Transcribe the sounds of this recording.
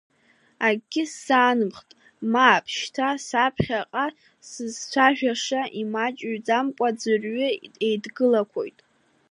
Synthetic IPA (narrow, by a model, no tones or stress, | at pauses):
aɡɡʲɪsaːnɨmχtʼ | maːpʰʃtʰasapʰχʲaqʼa | sɨzt͡sʷʰaʒᶣaʂaʔimat͡ʃʼɥd͡zamkʷʼad͡zɨrɥʏejdɡɨlakʷʰo̞̰jtʼ